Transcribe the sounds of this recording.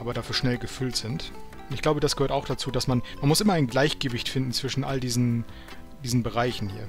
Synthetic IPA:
ʔaːbɐdaːfyːɐʃnɛlɡəfʏltz̥ɪnt | ʔʊntɪçɡ̥laʊbədasɡ̥əhøːɐtaʊxd̥at͡suːdasmanmanmʊsʔɪmɐaɪnɡlaɪçɡ̥əvɪçtfɪndn̩t͡sv̥ɪʃn̩ʔa̰ldiːzn̩ | d̥iːzn̩bəʁaɪçn̩hḭːɐ

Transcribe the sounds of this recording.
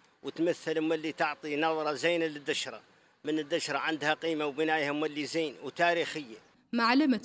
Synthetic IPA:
wət̪mæθːəlmːælːit̪əʕt̪ˤinɑðˤɾˤɑzæjnæləd̪ːəʃɾˤɑ | mənəd̪ːəʃɾˤɑʕand̪hæqimawbənæjhæmːælːizijnwt̪æɾixəjːa | maʕləmə

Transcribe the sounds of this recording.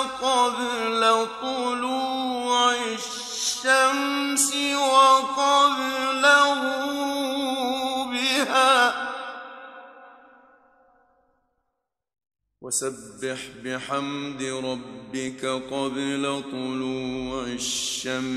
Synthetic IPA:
qɑdlat̪ˤʊluːaɪ | ʃʃːamsɪwɑqɑðlahu | bɪhaː | wasabːɪħbɪħamd̪ɾˤɑbːɪkaqɑdlat̪ˤʊluːʕɪaʃːam

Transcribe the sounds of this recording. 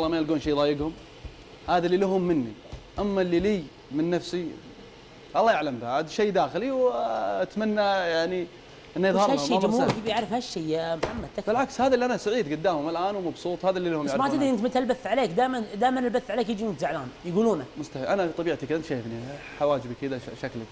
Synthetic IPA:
ɑlːɑmajɪlɡuːnʃeːðˤɑːjɪɡhʊm | haːðalːilaɦʊmːɪnːḭʔamːalːiliː | mɪnːafsi | ʔɑlːɑːjaʕlamðad̪ʃeːd̪aːxɪliwat̪manːajaʕni | ʔɪnːajɨðˤhɑɾhahʊmːmmukibjaʕɾɪfhaʃːijmħamːad̪̥̚t̪abɪlʕakshaːðaʔliʔanasaʕiːd̪ɡʊd̪ːaːmʊmalʔaːnwmɑbsˤuːt̪ˤhaːðalːilahʊmsmat̪ɪd̪ɾiʔɪnt̪mɪt̪lbaθːʕaleːkd̪aːjmand̪aːjmanɪlbaθːʕaleːkjɪd͡ʒimʊt̪zaʕlaːnjɡuːluːnamʊst̪aħiːlʔanat̪ˤɑbiːʕt̪ikʔɪnt̪ʃaːjɪfniħawaːd͡ʒbikɪd̪aʃaklak

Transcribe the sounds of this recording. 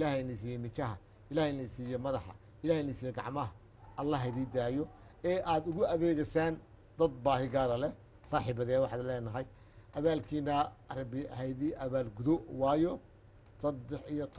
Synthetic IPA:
ʔɪlaːhɛnɐs̬iːjɛmɪt͡ʃɐɦɐ | ɪlaːhnɐsiːjɛmɐðɑħɑ̰ | ɪlaːhnɐsiːjɛɡɑʕmɐɦɐ | ʔɐlːɐɦɐðiːd̪aːjɔ | ɛːʔaːd̪ʊɣʊɐðɛːɣɛsaːn | d̪ɐd̪̚baːɦɪɡaːɾɐlɛ | saːħiːbɐðɛwɑħɑd̪lɛːnɐɦɐj | ʔɐβaːlkʰiːnɐɐɾɐbɪɐhɛjðiʔɐβaːlɡuðɔwɑːjɔ | sɐd̪ːɛħijɔt̪ʰ

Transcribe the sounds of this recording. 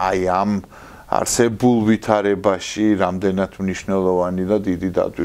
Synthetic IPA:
ajam | a̰ɾsɛbulˠvit̪ʰaɾɛbaʃiɾamd̪ɛnat̪ʰmniʃnɛlˠɔvanid̪ad̪id̪id̪a̰d̪wi

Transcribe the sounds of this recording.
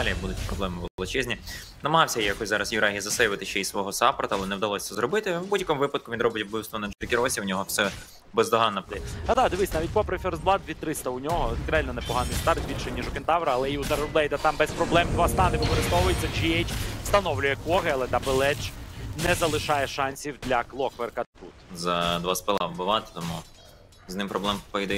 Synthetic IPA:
lʲijɐkbud̪ʊtʲpɾɔblˠɛmɪʋlˠɪt͡ʃɛzʲnʲi | nɐmɐɦɑwsʲɐjijɐkɔsʲzɑɾɐsjʊɾɑɦʲizɐsɛjʋɐt̪ɪʃt͡ʃɛjisʋɔɦɔsɑpɐɾt̪ɐlˠɛnɛwd̪ɐlˠɔsʲt͡s̪ɛzɾɔbɪt̪ɪwbudʲjɐkɔmʊʋɪpɐd̪̚kʊʋʲinɾɔbɪtʲɐblˠɪwst̪ʋɔnɛnd͡ʒɛrkʲɪɾɔsʲiwnʲɔɦɔsɛ | bɛzd̪ɔɦɑnːɐpad̪ɑd̪ɪʋɪsʲnaʋʲit̚ʲpɔpɾɐfʲiɾzblˠɑd̪dʲʋʲit̪ɾɪst̪ɐʊnʲɔɦɔkɾealʲnɐnɛpɔɦɑnɪjst̪ɑrt̪̚bʲilʲʃɛnʲiʒʊkɪnt̪ɑwɾɐɐlˠɛiut̪ɐɾɐɾblˠɛjd̪ɐt̪ɑmbɛspɾɔblˠɛmd̪ʋɑst̪ɑnɪpɔkɔɾɪst̪ɔʋʊjɪt͡sʲɐt͡ʃiejt͡ʃst̪ɐnɔwlʲʊjɛkɔɦɪɐlˠɛt̪ɐbɪlˠɛt͡ʃnɛzɐlˠɪʃɑjɛʃɑnʲsʲiwd̪lʲɐklˠɔkʋerkɐt̪t̪ṵt̪zɐd̪ʋɑspɪlˠɑ̰wbʊʋɑt̪ɪ̥t̪ɔmu | znɪmpɾɔblˠɛmpɔjd̪ɛ

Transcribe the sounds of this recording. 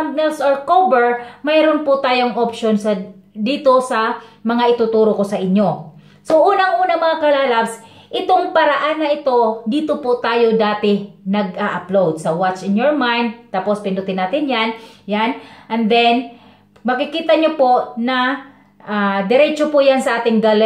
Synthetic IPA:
ŋmɛlsoɹkobɛɹmɐjɾʊnpʊt̪aːjoŋʔopʃonsɐd̪iːt̪o̞sɐmɐŋaʔɪt̪ut̪uːɾokosɐʔɪɲːo̞ | soʔuːnɐŋʔuːnɐmɐŋakɐlaːlabs | ʔɪt̪o̞ŋpɐɾaʔanːɐʔɪt̪o̞d̪iːt̪opʊt̪aːjod̪aːt̪ɪnɐɡaʔɐplowd̪̚sɐwat͡ʃɪnjoɹmajnd̪̚t̪aːpospɪnd̪ʊt̪ɪnːaːt̪ɪnjanjanʔɐnd̪ɛn | mɐkɪkiːt̪ɐɲopo̞ʔnɐ | ʔad̪ɪɾɛt͡ʃopʊjansɐʔaːt̪ɪŋɡal

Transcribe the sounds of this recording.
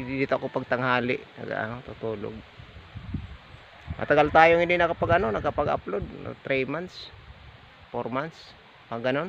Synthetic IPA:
did̪it̪oʔakopaɡ̚t̪aŋɦaːlɪʔnɐ̰ɡa̰ʔa̰not̪ut̪uːlo̰ɡ̚ | mɐ̰t̪aɡalt̪aːjoŋɪndinɐkapaɡɐnonɐkapaɡa̰plod̪̚na̰t̪ɾimant̪s | pormant̪s | pɐɡɐnon

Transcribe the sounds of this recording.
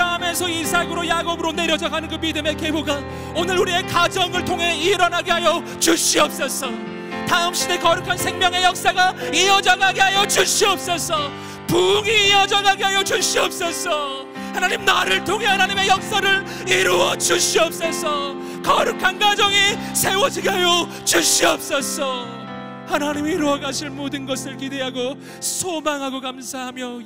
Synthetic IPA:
kʰɯɾaɦamʌnsʰʌisʰaɡɯɾojaɡobɯɾone̞ɾjʌd͡ʑaɡanɯnɡʌmidɯme̞ke̞boɡa | onɯɾuɾie̞kad͡ʑʌŋɯɭtʰoŋɦe̞iɾʌnaɡeɦajʌ | t͡ɕuɕ͈iʌp̚s͈ʌs͈ʰʌ | taɯmɕ͈ide̞kʌɾukʰansʰe̞ŋmjʌŋe̞jʌk̚s͈aɡaijʌd͡ʑaɡaɡeɦajʌt͡ɕuɕiʌp̚s͈ʌsʰʌ | puŋiːʌd͡ʑaɡaɡeɦajʌt͡ɕuɕiʌp̚s͈ʌs͈ʰʌ | hanaɲimnaɾɯɭtʰoŋe̞hanaɲime̞jʌk̚s͈aɾɯɭ | iɾuwʌt͡ɕuɕʰiʌp̚s͈ʌsʰʌ | kʌɾukʰanɡad͡ʑʌŋisʰe̞wʌd͡ʑʰiɡeɦajʌ | t͡ɕuɕiʌp̚s͈ʌsʰʌ | hanaɲimiiɾoʌɡaɕʰiɭmodɯnɡʌsʰɯɭkide̞ɦaɡo | sʰomaŋɦaɡokamsʰaɦamjʌ

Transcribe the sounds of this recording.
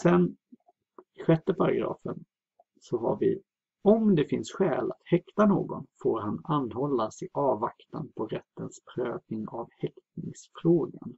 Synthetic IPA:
sɛn | ɧɛt̪ːəpʰaɾaɡɾɑ̰ːfə̰n | sɔɦaɾvɪ | ɔmd̪ɛfɪnsɧɛːlat̪hɛkt̪anoːɡɔ̰nfoːɾhananːhɔlːasɪʔɑːvakt̪anpʰɔɾɛt̪ːənspʰɾøːvnɪŋavhɛkt̪nɪŋsfɾoːɡan

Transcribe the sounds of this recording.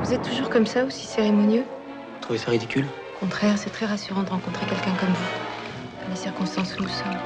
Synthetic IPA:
vuzɛt̪ːuʒuʁkɔmsaosi̥seʁemɔnjø | t̪χuvesaʁid̪ikʲyl | okɔ̃t̪χɛʁsɛt̪χɛʁasyʁɑ̃d̪əʁɑ̃kɔ̃t̪χekʲɛlkʲɛ̃kɔmvu | k̪ɑ̃lesiʁkɔ̃st̪ɑ̃sunusɔm

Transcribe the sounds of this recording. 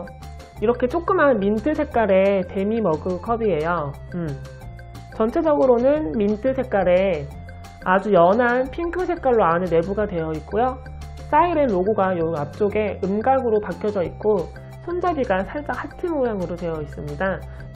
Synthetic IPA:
iɾʌkʰe̞t͡ɕ͈ok͈ɯmɦanmintʰɯsʰe̞k̚k͈aɾe̞te̞mimʌɡɯkʰʌbie̞jo | ɯ | t͡ɕʌnt͡ɕʰe̞d͡ʑʌɡɯɾonɯnmintʰɯsʰe̞k͈̚aɾe̞ | ad͡ʑujʌnanpʰiŋkʰɯsʰe̞k͈aɭːoanɯnːe̞buɡadwe̞jʌik̚k͈ojo | s͈aiɾenːoɡoɡajoap̚t͡ɕ͈oɡe̞ɯmɡaɡɯɾopakʰjʌd͡ʑʌit̚k͈o | sʰʌnd͡ʑabiɡasʰaɭt͡ɕ͈akʰhʰatʰɯmojaŋɯɾotwe̞jʌis͈ɯmɲida

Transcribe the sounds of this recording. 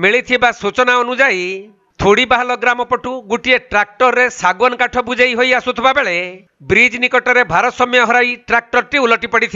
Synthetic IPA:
miɭit̪ʰibasut͡ʃɔnaɔnud͡ʒaj | t̪ʰoɽibaɦalɔɡɾamɔpɔʈuɡuʈieʈɾak̚ʈɔɾːesaɡwɔnɔkaʈʰɔbud͡ʒejɦojasut̪ʰɔbabeɭe | bɾid͡ʒnikɔʈɔɾebʱaɾɔt̪sɔmijɔɦɔɾajʈɾak̚ʈɔɾt̪iulɔʈipɔɽit̪ʰi

